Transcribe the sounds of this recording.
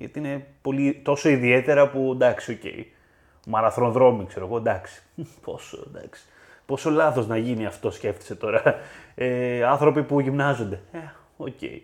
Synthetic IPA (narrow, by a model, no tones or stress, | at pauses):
ʝɐ̰t̪iine̞po̞lit̪o̞so̞iðie̞t̪e̞ɾɐpund̪ɐksio̞ce̞̰ḭ | mɐɾɐθɾoðɾo̞mikse̞ɾoeɣo̞nd̪ɐksi̥po̞̰so̰d̪ɐ̰ksi̥ | po̞so̞lɐθo̞znɐʝiniɐft̪o̞sce̞ft̪i̥se̞t̪o̞ɾɐeɐnθɾo̞pipuʝimnɐzo̞nd̪e̞e | oce̞̰i